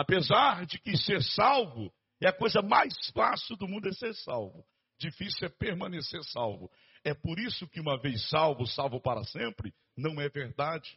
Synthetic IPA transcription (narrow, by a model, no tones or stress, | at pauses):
apezaɾd͡ʒɪkɪseɾsawvʊ | ɛɐkojzɐmajsfasiwd̪ʊmũd̪ʊɛseɾsawvʊ | d͡ʒifisiɛpeɾmɐ̃neseɾsawvʊ | ɛpoɾisʊkɪũmɐvejsːawvʊsawvʊpaɾɐ̰sẽmpɾɪ | nɐ̃w̃ɛveɾd̪ad͡ʒɪ